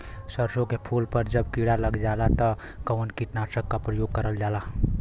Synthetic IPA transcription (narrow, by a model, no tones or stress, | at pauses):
səɾsõkepʰuːlpəɾd͡ʒəbkiɽaləɡd͡ʒalat̪ə | kəʋənkiʈ̪nasəkːapɾəjoːɡ̚kəɾəld͡ʒaːla